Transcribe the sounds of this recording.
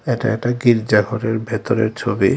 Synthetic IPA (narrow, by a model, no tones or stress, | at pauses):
eʈa̰ɛkʈaɡiɾd͡ʑaɡʱɔɾeɾbʱet̪oɾḛɾt͡ɕʰobḭ